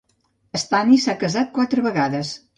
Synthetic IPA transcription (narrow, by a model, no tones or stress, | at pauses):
əst̪anisakəzat̪̚kwat̪ɾəβəɣaðəs